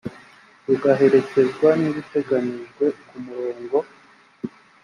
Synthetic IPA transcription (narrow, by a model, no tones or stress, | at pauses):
ɾuɡaɦe̞ɾe̞ce̞zɡwaniβute̞ɡaniʒɡwe̞kumuɾo̞ːŋɡo̞